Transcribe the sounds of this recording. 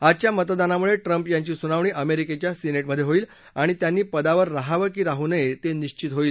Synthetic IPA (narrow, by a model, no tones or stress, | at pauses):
at͡ɕjamət̪d̪anamuɭeʈɾəmpjaɲt͡ɕiːsunaʋɳiːʔəmeɾiket͡ɕjasineʈməd̪ʱːjeɦoiːl | aɽ̃it̪janːiːpəd̪aʋəɾːaɦaʋəkiːɾaɦunəjet̪eniɕt͡ɕit̪ɦoiːl